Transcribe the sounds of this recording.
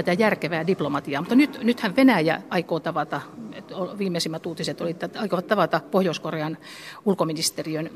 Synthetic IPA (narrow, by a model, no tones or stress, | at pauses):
æt̪æjærkeʋæːdiplomɑt̪iɑːmut̪ːɑnyt̪nyt̪hæʋʋenæjæ̰ɑikoːt̪ɑʋɑt̪ɑt̪oʋiːmːˑeisimːæt̪uːt̪iset̪olit̪ːæɑikoʋɑt̪tɑʋɑt̪ɑpohjoiskoreɑn | ulkominist̪eriøn